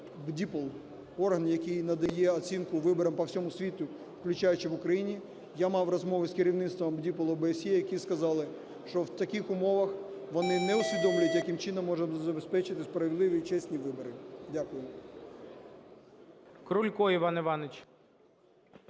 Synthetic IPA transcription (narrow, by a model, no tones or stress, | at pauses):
bdʲipɔlˠ | ɔrɦɐnjɐkʲijnɐd̪ɐjɛɔt͡sʲinkʊʋɪbɔɾɐmpɐwsʲɔmʊsʲʋʲit̪ʊ | wklʲʊt͡ʃajʊt͡ʃɪʋʊkɾɐjinʲi | jamɑwrɔzmɔʋɪskɪɾʲiwnɪt̪st̪ʋɐmbdʲipɔlˠʊbeːsʲjɛjɐkʲiskɐzɑlˠɪ | ʃt͡ʃɔwt̪ɐkɪxʊmɔʋɐx | ʋɔnɪnɛʊsʲʋʲid̪ɔmlʲjɐt̪ʲjɐkɪmt͡ʃɪnɔmːɔʒɐzɐbespɛt͡ʃɪt̪ɪspɾɐʋʲeɪd̪lˠɪʋʲit͡ʃɛsʲnʲiʋɪbɔɾɪdʲakʊjʊ | kɾulʲkɔiʋɑnɪʋɑnet͡ʃ